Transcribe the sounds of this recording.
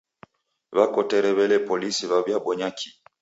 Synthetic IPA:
βakɔtɛɾɛβɛlɛpɔlisiβaβjaɓɔɲakʰi

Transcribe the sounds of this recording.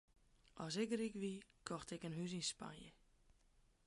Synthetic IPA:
ʔɔsɛkrikʋikʰɔxtɛkənɦys̬inspa̰njə̰

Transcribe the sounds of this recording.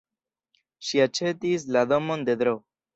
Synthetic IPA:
ʃiat͡ʃe̞tis̬lad̪o̞mo̞nd̪e̞d̪ɾo

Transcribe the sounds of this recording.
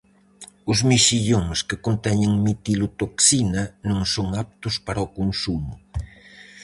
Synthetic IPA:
ʊzmiʃiʎoŋskɪkont̪ɛɲɪŋmit̪ilut̪oksinɐnõŋsoŋap̚t̪ʊspaɾɐokonsumʊ

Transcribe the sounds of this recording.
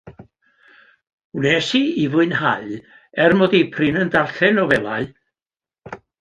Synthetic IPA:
nɛsiivʊɨnhaj | ɛrmɔdipʰrɪnəndarɬɛnɔvɛlˠaɨ

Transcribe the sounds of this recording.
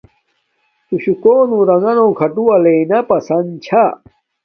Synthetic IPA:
t̪uɕukoːnũɾɐŋɡɐnõːkʰɐʈuɐleinɐpɐsɐnt͡ɕʰa

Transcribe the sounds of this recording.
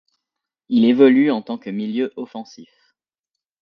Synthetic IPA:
ilevɔlyɑ̃t̪ɑ̃kəmiljøʔɔfɑ̃sif

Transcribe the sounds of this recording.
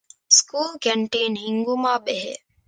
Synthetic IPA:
skuːlkeɳʈiːnhiŋɡumaːbeɦḛː

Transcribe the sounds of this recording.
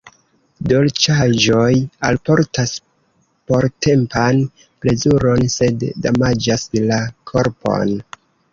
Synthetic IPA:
do̞lt͡ʃaʒo̞jalpo̞ɾtas | po̞ɾte̞mpan | ple̞zuɾo̞nse̞dːamad͡ʒaslakʰo̞ɾpo̞̰n

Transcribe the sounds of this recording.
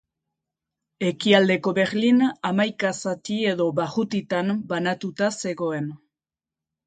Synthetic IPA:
e̞kiald̪e̞ko̞βe̞ɾlinamajkasat̪ie̞ðo̞baɣut̪it̪ambanat̪ut̪ase̞ɣo̞e̞n

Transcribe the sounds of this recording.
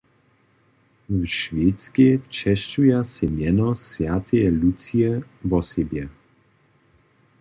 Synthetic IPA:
vʃveːt̪t͡skɛt͡ʃɛʃt͡ʃujasɛmjɛnɔsjat̪ʰɛɛlut͡siɛvɔsɛbjɛ

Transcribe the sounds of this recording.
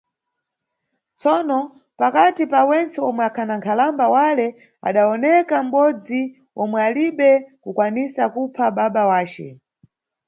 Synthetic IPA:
t͡sɔnɔ | pakatipawɛnt͡sɛɔmwɛakʰanaŋkʰalambawalɛ | a̰ɗaɔnɛkam̩ɓɔd͡zi | ɔmwɛaliɓɛkukwanisakupʰaɓaɓawaːt͡ʃɛ̰

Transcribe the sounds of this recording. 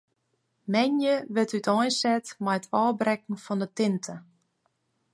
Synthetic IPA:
mɛnjəʋɪtytʰɔjnsɛtmajətʰɔːbrɛkŋ̩fɔndətɪntʰə

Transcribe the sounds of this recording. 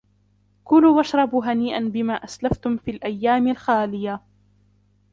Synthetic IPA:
kʊluːwaʃɾˤɑbuːɦaniːʔanbɪmaːʔaslaft̪ʊmfiːlʔajːaːmɪlxaːlɪja

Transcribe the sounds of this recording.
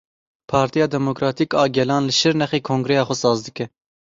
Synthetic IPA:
pʰɑːɾt̪ijɑːd̪ɛmokɾɑːt̪ʰiːkɑːɡʲɛlɑːnlɨʃɨɾnɛxeːkʰõːŋɡɾɛjɑːxʷɔsɑːzd̪ɨkɛ

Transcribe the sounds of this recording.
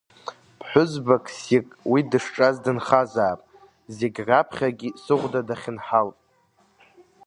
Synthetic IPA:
pʰħʷʊzbakʰsikʼwidɨʂʈ͡ʂʼazdɨnχazaːpʼ | zeɡʲrapʰχʲaɡʲisɨʁʷdadaχʲɪnħaltʼ

